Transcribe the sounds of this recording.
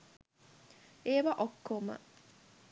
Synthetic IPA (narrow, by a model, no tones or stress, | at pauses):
eːʋaʔokːomə̰